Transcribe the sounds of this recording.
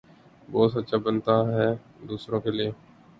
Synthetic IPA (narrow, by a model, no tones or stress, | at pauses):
bɔːt̪sət̪ːʃabənt̪aɦɛː | d̪uːsɾõkelieː